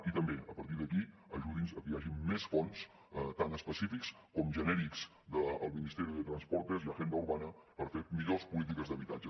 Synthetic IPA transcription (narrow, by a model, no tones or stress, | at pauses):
it̪əmbeəpəɾt̪̬iɾðəki | əʒuðinzəkəjaʒimːesfɔns | t̪anəspəsifiks | kɔmʒənɛɾikz̥ | d̪əəlˠminist̪ɛɾiðət̪ɾənspɔɾt̪əziləʒend̪əuɾβanəpəɾfemiʎospulit̪̬ikəzðəβit̪ad͡ʒə